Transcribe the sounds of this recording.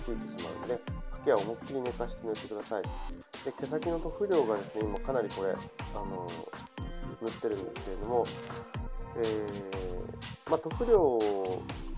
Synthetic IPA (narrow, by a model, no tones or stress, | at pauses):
tʲiit̪e̞ɕima̰ɯ̰nd̪e̞hakeaomokçiɾʲinekaɕi̥t̪enɯt̪ːe̞kɯd̪asaid̪̥e̞ke̞sakʲinot̪o̞ɸɯ̟ɾʲo̞ːɡad̪e̞sɨne̞imakanaɾʲiko̞ɾe̞̰ano̞ | mɯ̟t̪ːe̞ɾɯ̟̃nd̪e̞sɨ̥ke̞ɾe̞d̪o̞mo̞ | eː | mat̪o̞ɸɯ̟ɾʲo̞ː